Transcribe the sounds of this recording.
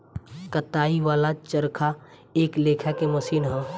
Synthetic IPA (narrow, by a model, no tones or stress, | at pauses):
kɐt̪aːiʋaːlat͡ʃəɾkʰa | eːkleːkʰakemɐsiːnɦɛ̃ː